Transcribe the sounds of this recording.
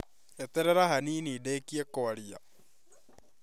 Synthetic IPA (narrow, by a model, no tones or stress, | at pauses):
et̪eɾeɾaɦaniːnideːkiekoaɾia̰